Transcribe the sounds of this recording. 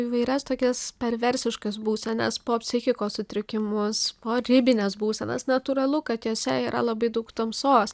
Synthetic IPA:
iːʋɐɪɾʲɛst̪oːkʲɛspʲɛɾʋʲɛɾʲsʲɪʃkɐsbuːsʲɛnʲɛ̰spoːpʲsʲɪxʲɪkoːssʊt̪ʲɾʲɪkʲɪmʊspoːɾʲɪbʲɪnʲɛsbuːsʲɛnʲɐ̰snɐt̪uɾɐlˠʊkɐt̪joːsʲɛiːɾʔɐlˠɐbɐɪd̪ɐʊkt̪ɐmsoːs

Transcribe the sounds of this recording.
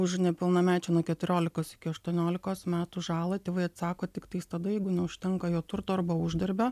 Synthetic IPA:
ʊʃnʲɛpʲɪlˠnɐmʲæːt͡ʃʲɛnuɔkʲɛt̪ʲʊɾʲoːlʲɪkoːsɪ̥kʲɪɐʃt̪uɔnʲoːlʲɪkoːsmʲæːt̪uʒɑːlˠɐt̪ʲeːʋɐɪɐt̪sɑːkoːt̪ʲɪkt̪ɐɪst̪ɐd̪ɐjɛɪɡʊnʲɛʊʃʲt̪ʲɛŋkɐjoːt̪ʊrt̪oːɐrbɐʊʒʲd̪ʲɐɾʲbʲɛ

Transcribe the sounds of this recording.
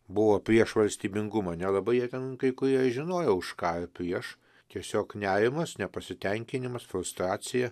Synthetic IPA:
bʊʋoːpʲɾʲiɛʃʋɐlʲsʲt̪ʲiːbʲɪŋɡʊmɐnʲɛlˠɐbɐɪjiɛt̪ʲɛnkɐɪkʊɾʲiɛʒʲɪnoːjɛʊʃkɑːɪɾpʲɾʲiɛʃ | t̪ʲiɛsʲoːknʲæːɾʲɪmɐsnʲɛpɐsʲɪt̪ʲɛŋʲkʲɪnʲɪmɐsfɾʊst̪ɾɑːsʲɪjɛ

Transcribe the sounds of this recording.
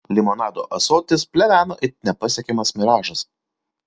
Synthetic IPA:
lʲɪmɔnɑːd̪oːʔɐsoːt̪ʲɪspʲlʲɛʋʲæːnoːʔɪnʲɛpɐsʲɛkʲɛmɐsmʲɪɾɑːʒɐs

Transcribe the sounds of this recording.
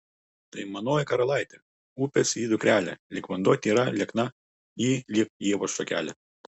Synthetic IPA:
t̪ɐɪmɐnoːjɛkɐɾɐlˠɐˑɪt̪ʲɛ | uːpʲɛsʲiːd̪ʊkɾʲæːlʲɛ̰lʲɪkʋɐnd̪ɔːt̪ʲiːɾɐlʲɛknɐ | iːlʲɪk̚jiɛʋɔsɔkʲæ̰ːlʲɛ

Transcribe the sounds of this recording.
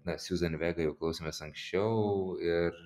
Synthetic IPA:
nɐsʲuːzɐnʲʋʲæːɡɐjɛʊklˠɐʊsʲemʲeːsɐŋksʲt͡ʃʲɛʊɪr

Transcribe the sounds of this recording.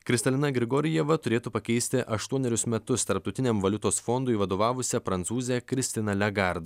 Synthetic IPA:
kɾʲɪst̪ɐlʲɪnɐɡɾʲɪɡoːɾʲɪjɛʋɐt̪ʊɾʲeːt̪uːpɐkʲɛɪsʲt̪ʲɪʔɐʃt̪uɔnʲɛɾʲʊsmʲɛt̪ʊst̪ɐɾp̚t̪ɐʊt̪ʲɪnʲɛmʋɐlʲʊt̪oːsfɔnd̪ʊɪʋɐd̪oːʋɑːʋʊsʲɛpɾɐnt̪suːzʲejɛkɾʲɪsʲt̪ʲɪnɐlʲɛɡɑˑɾd̪ɐ

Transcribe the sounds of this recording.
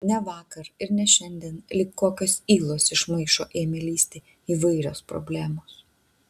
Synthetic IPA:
nʲɛʋɑːkɐɾɪɾnʲɛʃʲɛnʲd̪ʲiɛnlʲɪːkkoːkʲoːsiːlˠoːsɪʃmɐɪʃoːʔeːmʲelʲiːsʲt̪ʲeː | iːʋɐɪɾʲo̰ːspɾɔ̰ːbʲlʲæːmoːs

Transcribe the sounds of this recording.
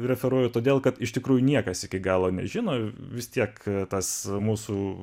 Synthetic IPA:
ɾʲɛfʲɛɾuɔjʊt̪oːd̪ʲeːlˠkɐt̪ɪʃt̪ʲɪkɾuːjʊnʲiɛkɐsɪkʲɪɡɑːlˠoːnʲɛ̰ʒʲɪnoːʋʲɪst̪ʲiɛkt̪ɐsmuːsu

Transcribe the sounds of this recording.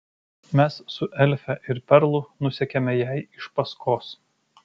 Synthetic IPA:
mʲɛsːʊʔɛlʲfʲɛʔɪɾpʲɛɾlˠʊnʊsʲɛkʲɛmʲɛjæɪɪʃpɐskoːs

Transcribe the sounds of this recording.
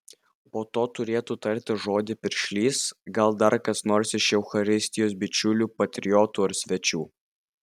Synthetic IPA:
poːt̪oːt̪ʊɾʲeːt̪uːt̪ɐɾʲt̪ʲɪʒoːd̪ʲɪpʲɪɾʲʃʲlʲiːsɡɐlˠd̪ɐɾkɐsnoːɾsʲɪʃjɛʊxɐɾʲɪsʲt̪ʲɪjoːsbʲɪt͡ʃʲʊlʲuːpɐt̪ʲɾʲɪjɔt̪uːɐɾsʲʋʲɛt͡ʃʲuː

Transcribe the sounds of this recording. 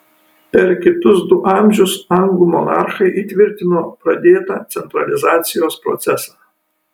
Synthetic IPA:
pʲɛɾkʲɪt̪ʊsd̪ʊʔɑˑmʲʒʲʊsɐŋɡumɔnɑ̰ˑɾxɐɪʔit̪ʲʋʲɪɾʲt̪ʲɪnoːpɾɐd̪ʲeːt̪ɑːt̪sʲɛnt̪ɾɐ̰lʲɪzɑːt̪sʲɪjoːspɾɔ̰t̪sʲɛsɑː

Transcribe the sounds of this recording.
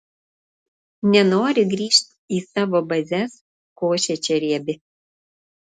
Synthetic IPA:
nʲɛnoːɾʲɪɡɾʲiːʃt̪ʲ | iːsɑːʋoːbɐzʲɛs | koːʃʲɛt͡ʃʲɛɾʲiɛbʲɪ

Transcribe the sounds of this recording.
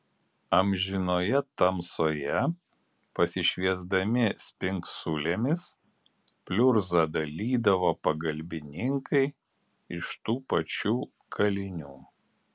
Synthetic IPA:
ɐmʲʒʲɪnoːjɛt̪ɐmsoːjɛ | pɐsʲɪʃʲʋʲiɛzd̪ɐmʲɪsʲpʲɪŋksʊlʲemʲɪs | pʲlʲʊɾzɐd̪ɐlʲiːd̪ɐʋoːpɐɡɐlʲbʲɪnʲɪŋkɐɪ | ɪʃt̪uːpɐt͡ʃʲuː | kʰɐlʲɪnʲuː

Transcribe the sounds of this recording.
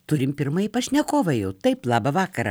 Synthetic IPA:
t̪ʊɾʲɪmpʲɪɾmɐjipɐʃʲnʲɛkoːʋɐjɛʊt̪ɐɪplˠɑːbɐʋɑːkɐɾɐ̰

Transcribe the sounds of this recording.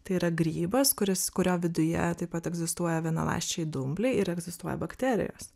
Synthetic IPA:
t̪ɐɪiːɾɐɡɾʲiːbɐskʊɾʲɪskʊɾʲoːʋʲɪd̪ʊjɛ̰t̪ɐɪpɐt̪ɛɡzʲɪst̪uɔjɛʋʲiɛnɐ̰lˠɑ̰ɪʃʲt͡ʃʲɛɪd̪ʊmʲbʲlʲɛɪɪɾɛɡzʲɪst̪uɔjɛ̰bɐkt̪ʲɛːɾʲɪ̰jo̰ːs

